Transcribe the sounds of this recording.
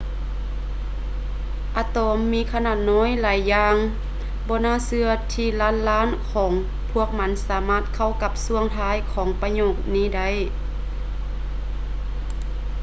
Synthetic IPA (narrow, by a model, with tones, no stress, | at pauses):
ʔaː˧t̪oː˨˧˦mːiː˧˥˨kʰa˧naː˧˩t̪̚nɔː˧˥˨jlaː˨˦jːaː˧ŋ | bɔː˧˦naː˧˥˨sɯ˧ɐt̪ʰiː˧laː˧˥˨nlaː˧˥˨nkʰɔː˩˦ŋ | pʰu˧˥˩ək̚ma˧˦˥nsaː˨˦maː˧˥˩t̪̚kʰa˧˩wka˧p̚su˧˥əŋt̪ʰaː˧˥˨jkʰɔː˨˩˦ŋpa˧ɲoː˧˩k̚niː˧˥˨da˧˩˨j